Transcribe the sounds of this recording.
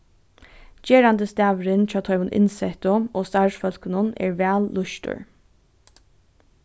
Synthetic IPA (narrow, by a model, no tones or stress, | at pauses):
d͡ʒeːɹand̪əst̪æːʋɾɪnt͡ɕɑːt̪ʰɔʏʋʊnʔɪ̰nsɛt̪ʊoːst̪ɑʂfœl̥kənʊnɛ̰ːɹʋæːlːʊʃtə̰ɹ